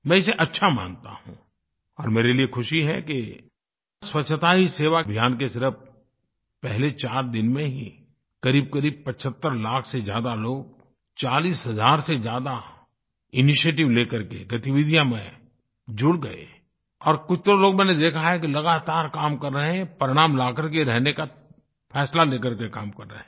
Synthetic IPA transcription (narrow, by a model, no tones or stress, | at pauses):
mɛ̃ːɪseʔɐtːʃʰama̰ːnt̪a̰hṵ̃ | ɔːɾmeːɾeliekʰʊʃiɦɛ̰ke | swɐtːʰət̪aɦiseːʋabʱjaːnkesɪɾəp̚ | pɛɦlet͡ʃaːɾd̪ɪnmẽɦḭ | kɐɾiːb̚kəɾiːb̚pət͡ʃʰət̪ːəɾlaːkʰsezja̰ːd̪aloːɡ̚ | t͡ʃaːliːsɦɐzaːɾsed͡ʒjaːd̪a | ɪnɪʃeːʈ̬ɪʋleːkəɾkeɡət̪ɪʋɪd̪ʱijamẽ | d͡ʒʊɽɡɐḛ | ɔːɾkʊt͡ʃʰt̪əɾõloːɡmɛ̃ːned̪eːkʰaɦɛkilɐɡaːt̪aːɾkaːmkəɾːəɦɛ̃pəɾɪɽ̃aːmlaːkəɾk̬eɾɛɦneka | pʰɛːslaleːkəɾkekaːmkɐɾːə̰ɦɛ̃ː